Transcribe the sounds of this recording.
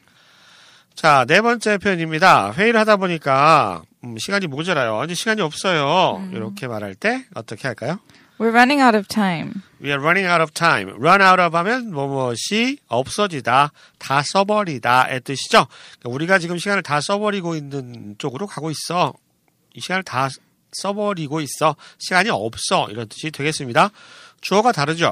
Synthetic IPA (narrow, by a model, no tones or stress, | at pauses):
t͡ɕane̞bʌnt͡ɕ͈e̞pʰjʌɲimɲidaɸwe̞iɾɯɭhadaboɲik͈a | ɯɕʰiɡaɲimod͡ʑʌɾajo̰nd͡ʑeɕʰiɡaɲiʌp̚s͈ʌjoḭɾʌkʰe̞maɾɦaɭt͈e̞ʌt͈ʌkʰe̞ɦhaɭk͈ajo | wɪɹɹʌnɪ̃ŋaʊɾʌv̥tʰãɪ̃m | wiaɹʌniŋawɾʌvtʰajmɾʌnauɾʌbamjʌnmʌmʌɕʰiʌp̚s͈ʌd͡ʑida | tas͈ʌbʌɾidaet͈ɯɕʰi̥d͡ʑokauɾiɡat͡ɕiɡɯmɕʰiɡanɯɭtas͈ʌbʌɾiɡoinːɯnt͡ɕ͈oɡɯɾokaɡois͈ʌ | iɕʰiɡanɯɭta | s͈ʌbʌɾiɡois͈ʌɕʰiɡaɲiʌp̚s͈ʌḭɾʌnt͈ɯ̥ɕʰidwe̞ɡe̞s͈ɯmɲidat͡ɕoʌɡataɾɯd͡ʑo̰